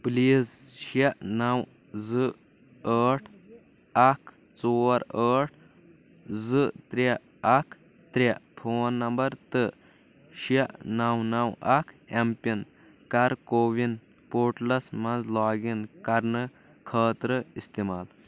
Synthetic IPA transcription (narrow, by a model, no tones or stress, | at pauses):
pliːzʃenɐw | zɨ | əːʈʰ | ɐkʰ | t͡soːɾəːʈ̚ʰ | zɨt̪ɾe | ɐkʰ | t̪ɾʲepʰoːnːɐmbɐɾt̪ɨ | ʃeʔnɐwnɐwɐkʰempʲin | kɐɾkoːʋin | poːɾʈlɐsmɐnzlaːɡinkɐɾnɨ | kʰəːt̪ɾɨist̪imaːl